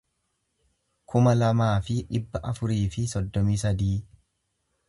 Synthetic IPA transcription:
kʰʊmɐlɐmaːfɪᶑɪbːɐʔɐfʊɾiːfɪsɔd̪ːɔmiːsɐd̪iː

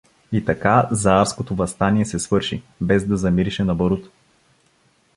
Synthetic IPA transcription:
it̪ɐkazaaɾskot̪ovɐst̪aniɛsɛsvɤɾʃibɛzd̪ɐzɐmiɾiʃɛnɐboɾut̪

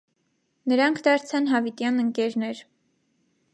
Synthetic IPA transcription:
nəɾɑŋkʰd̪ɑɾt͡sʰɑnɦɑvit̪jɑnəŋkɛɾnɛɾ

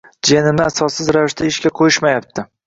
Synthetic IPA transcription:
d͡ʒenɪmnɪasɒsːɪzɾavɪʃt̪ʰaɪʃkʲaqʰojɪʃmajap̚t̪ʰɪ

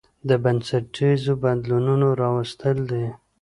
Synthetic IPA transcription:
d̪əbansaʈizobad̪lununoɾɑwast̪əld̪e

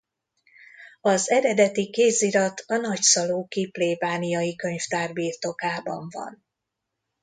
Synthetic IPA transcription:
ɒzɛɾɛd̪ɛt̪ikeːziɾɒt̪ɒnɒcsɒloːkipleːvaːnijɒjikø̞ɲft̪aːrbiːrt̪o̞kaːbɒ̰ɱvɒ̰n

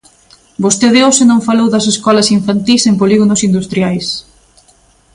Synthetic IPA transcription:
bost̪eðeosenõɱfalowðɐseskɔlɐsiɱfant̪isempoliɣonosind̪ust̪ɾjajs

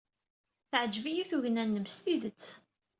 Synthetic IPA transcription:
θʕəd͡ʒvijæθuʝnænːəmst̪iðət͡sː

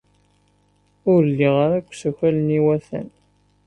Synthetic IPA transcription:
ʊɾəlːiʁaɾækʷːsæçæləniwæθæ̰n

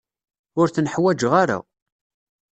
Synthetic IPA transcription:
ʊɾθənħwæd͡ʒʁaɾa̰

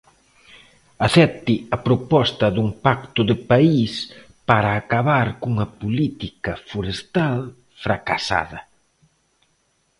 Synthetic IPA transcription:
aθɛt̪iɐpɾopɔst̪ɐðuŋpakt̪ʊðɪpais | paɾaːkaβaɾkuŋɐpulit̪ikɐfoɾest̪al | fɾakasa̰ðɐ

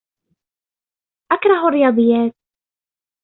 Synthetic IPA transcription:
ʔakɾˤɑɦarːɪjɑːd̪ˤɨjːaːt̪̚

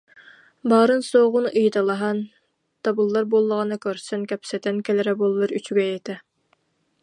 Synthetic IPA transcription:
bɑːɾɯnsoʁʊnʔijt̪ɑlˠɑɦɑn | t̪ɑbulˠːɑɾbolˠːəʁɑnɨkʲøɾsɛnkʲɛpsɛt̪ʰɛnkʲʰɛlɪɾɛbolˠːɨɾyt͡ʃʰyɡʲɛjɛt̪ʰɛ

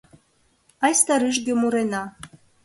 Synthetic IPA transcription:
ɑjst̪aɾɨʒɡʲemuɾenɑ

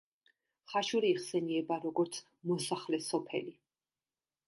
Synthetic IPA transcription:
χaʃuɾiːχsɛniɛbaɾɔɡɔɾt̪sʰ | mɔsaχlɛsɔpʰɛ̰li

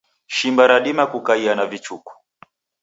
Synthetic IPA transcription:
ʃimbaɾaɗimakukaianavit͡ʃuku̥

